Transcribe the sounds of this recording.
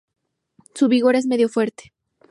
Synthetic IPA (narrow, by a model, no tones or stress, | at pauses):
suβiɣo̞ɾe̞zme̞ðjo̞fwe̞ɾt̪e̥